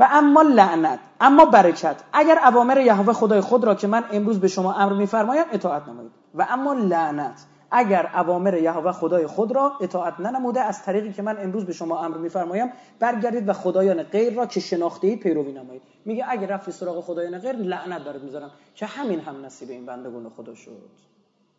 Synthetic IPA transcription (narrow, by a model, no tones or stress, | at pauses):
væʔæmːɒːlæʔnæt̪ʰæmːɒːbæɾecʰæt̪ʰʔæɟæɾævɒːmeɾejæɦovæxod̪ɒːjexod̪ɾɒːcʰe̞mæne̞mɾuːzbe̞ʃomɒːʔæmɾmiːfæɾmɒːjæme̞t̪ʰɒːæt̪ʰnæmɔ̰jiːd̪væʔæmːɒːlæʔnæt̪ʰ | ʔæɟæɾævɒːme̞ɾejæɦovæxod̪ɒːjexod̪ɾɒːe̞t̪ʰɒːæt̪ʰnænæmuːd̪eæz̥t̪ʰæɾiːɣiːcʰemæne̞mɾuːzbe̞ʃomɒːæmɾmiːfæɾmɒːjæm | b̥æɾɟæɾd̪iːd̪væxod̪ɒːjɒːneɢejɾːɒːcʰeʃe̞nɒːxt̪e̞i̥ːpʰe̞jɾoviːnæmɒːjiːd̪ | miːɟeʔæɟæɾæft̪iːsoɾɒːɣe̞xod̪ɒːjɒːneɣejɾlæʔnæt̪̚bæɾed̪mizɒːɾæm | cʰe̞hæmiːnɦæmnæsiːbeiːnbænd̪eɡṵːnexod̪ɒ̰ːʃo̰d̪̥